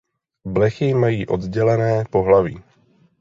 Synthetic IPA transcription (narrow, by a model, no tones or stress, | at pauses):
blɛxɪmajiːʔo̞d̪ɟɛlɛnɛːpo̞ɦlaviː